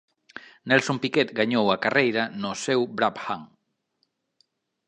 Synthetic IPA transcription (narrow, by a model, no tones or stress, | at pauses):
nɛlsompikɛt̪ɡaɲowakarejɾanosewbɾaphaŋ